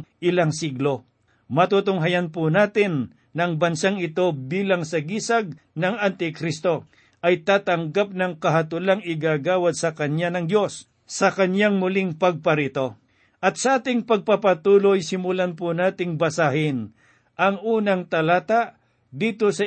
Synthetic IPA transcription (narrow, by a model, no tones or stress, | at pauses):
ʔɪlaŋsiɡlo̞ | mɐt̪ut̪ʊŋɦɐjanpʊnaːt̪ɪnː | ɐŋbɐnsaŋɪt̪o̞biːlaŋsɐɡiːsɐɡ̚ | nɐŋant̪ɪkɾist̪o̞ | ʔɐjt̪aːt̪ɐŋɡap̚nɐŋkɐɦɐt̪ʊlaŋɪɡaɡaːwɐd̪̚sɐkɐɲanɐŋd̪jo̞s | sɐkɐɲjaŋmʊlɪŋpɐɡ̚pɐɾɪt̪o̞ | ʔɐt̪̚sɐʔaːt̪ɪŋpɐɡ̚papɐt̪uːlojsɪmʊlanpʊnaːt̪ɪŋbɐsahɪn | ʔɐŋuːnɐŋt̪ɐlaːt̪aʔ | d̪iːt̪o̞sɐ